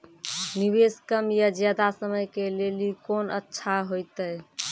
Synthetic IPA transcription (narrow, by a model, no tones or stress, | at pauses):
niβeskəmjəd͡ʒjad̪asəməjkelelikonə̰tːʃʰaɦojt̪əj